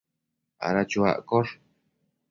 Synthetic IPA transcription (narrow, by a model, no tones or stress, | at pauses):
a̰ɾat͡ʃua̰ʔkoɾ